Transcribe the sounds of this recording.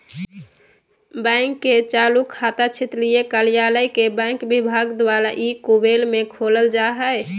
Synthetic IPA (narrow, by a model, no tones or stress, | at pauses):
bɛ̃ɪŋkːet͡ʃalukʰːat̪at͡ʃʰit̪lijekəljaləjkebɛ̃ŋkbibʱaɡd̪waɾaʔikubelmekʰoləld͡ʒaɦəj